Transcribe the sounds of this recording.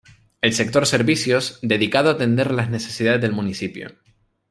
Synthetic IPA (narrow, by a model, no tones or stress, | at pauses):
e̞lse̞k̚t̪o̞ɾse̞ɾβisjo̞zd̪e̞ðikaðoat̪e̞nd̪e̞ɾlazne̞se̞siðaðezðelmũnisipjo̰